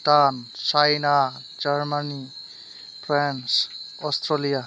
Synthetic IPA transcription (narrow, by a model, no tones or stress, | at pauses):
t̪ant͡ʃajna | d͡zʌɾmani | pʰransɔst̪ɾʌlija